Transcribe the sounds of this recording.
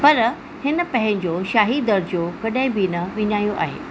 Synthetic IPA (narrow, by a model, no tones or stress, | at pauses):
pɐɾ | hɪnə̆pɐ̃ɦɪ̃ɲd͡ʑoːʃaːɦid̪ɐɾd͡ʑjokɐɗaɦɪ̃bɪnɐʋɪɲaːijoʔa̰ːɦḛː